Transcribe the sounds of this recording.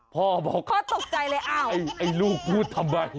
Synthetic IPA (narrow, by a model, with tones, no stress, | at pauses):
pʰɔː˧˩bɔ̰˨˦kʰɔː˧˥˩t̪o˨˩k̚t͡ɕa˧jlaː˧jʔaː˧˩wa˧˩jʔa˧˩jluː˧˩kmuː˧˥˩t̪ʰːa˧mɾa˧˩j